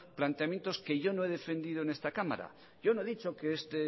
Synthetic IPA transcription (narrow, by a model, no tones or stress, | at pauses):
plant̪eamje̞nt̪oske̞ʝo̞noe̞ð̞e̞fe̞nd̪ið̞oenest̪akama̰ɾa̰ | ʝo̞noe̞ðit͡ʃokeest̪e